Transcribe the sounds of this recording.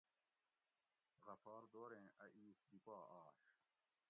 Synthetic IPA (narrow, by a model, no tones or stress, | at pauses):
ɣɐfaːɾd̪oːɾẽːʔɐʔiːsd̪ipaːaːɕ